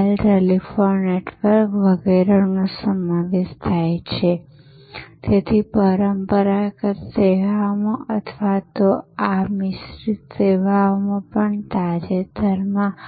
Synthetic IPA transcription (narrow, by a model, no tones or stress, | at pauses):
lɾelifoɾneʈʋəɾkʋəɡeɾənosəmaʋeʃt̪ʰajt͡ʃʰe | t̪et̪ʰipəɾəmpəɾakəɾseʋamoʔət̪ʰʋat̪oamɪsɾit̪seʋaomõpəɳt̪ad͡ʒet̪əɾmã